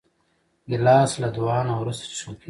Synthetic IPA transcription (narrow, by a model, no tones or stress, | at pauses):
ɡilɑːslad̪uwɑːnawɾust̪t͡ʃʰuːpʰi